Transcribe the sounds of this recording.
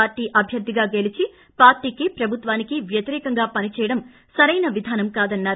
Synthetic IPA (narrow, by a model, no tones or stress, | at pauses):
aːɾʈiːʔɐbʱjɐɾd̪ʱːiɡaːɡe̞lit͡ʃi | paːɾʈiːkipɾɐbʱut̪ʋaːnikiʋjɐt̪iɾɛːkɐŋɡaːpɐnit͡ʃɛːjɐɽɐm | sɐɾɐjnɐʋid̪ʱaːnɐmkaːd̪ɐnːaːɾ